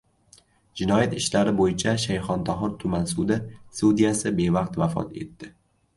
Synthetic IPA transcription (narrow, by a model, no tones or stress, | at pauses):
d͡ʒɪnɒjat̪ɪʃlaɾɪbojɪt͡ʃʰaʃajχɒnt̪ʰɒɦɪɾt̪ʰʊmansud̪ɪsud̪ijasɪbe̞vɑq̚t̪vafɒ̰t̪ʰe̞̰t̪ːɪ